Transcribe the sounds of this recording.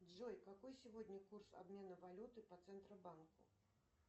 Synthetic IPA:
d͡ʐɔjkakɔjsʲivɔdʲnʲɐkursa̰bmʲɛnɐvalʲut̪ɨpɐt̪sɛnt̪ɾɐbankṵ

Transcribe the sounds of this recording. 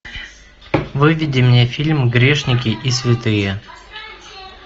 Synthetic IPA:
vɨvʲɪdʲɪmnʲefʲilʲmɡɾʲeʂnʲɪkʲɪʔisvʲɪt̪ɨjə

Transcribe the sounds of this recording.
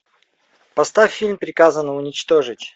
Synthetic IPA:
pɐst̪afʲːilʲmpɾʲɪkazənəʊnʲɪt͡ɕt̪oʐɨtʲ

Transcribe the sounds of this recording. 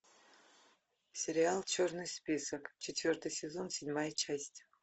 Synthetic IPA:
sʲeɾʲialˠt͡ʃʰornɨjspʲisɐkt͡ʃʰetʲvʲo̞rt̪ɨjsʲezo̞nsʲedʲmajt͡ʃʰasʲtʲ

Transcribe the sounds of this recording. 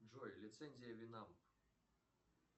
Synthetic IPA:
ʐɔjlʲit̪sɛnʲzʲijɐvʲinam

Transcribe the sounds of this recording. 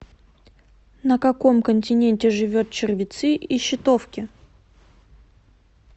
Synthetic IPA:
nəkɐko̞mkənʲtʲɪnʲenʲtʲɪʐɨvʲot̪̚t͡ɕɪrvʲɪt̪sɨʔiɕːɪt̪ofkʲɪ

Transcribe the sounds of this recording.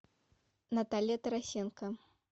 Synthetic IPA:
nɐt̪alʲjɛt̪ɐɾasʲɛnkɐ

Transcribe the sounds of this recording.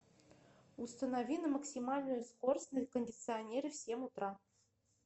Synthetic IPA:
ust̪ənavʲinɤmɐksʲimɑlʲnujʊskorsʲnɨjkonʲdʲit̪sɨonʲeɾʲɘfsʲemut̪rɑ

